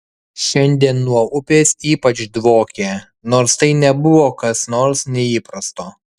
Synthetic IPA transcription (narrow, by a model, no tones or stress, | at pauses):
ʃʲɛnʲd̪ʲiɛnːuɔʊpʲeːsiːpɐt͡ʃd̪ʋoːkʲeː | noːɾst̪ɐɪnʲɛbʊʋoːkɐsnoːɾsnʲɛiːpɾɐst̪oː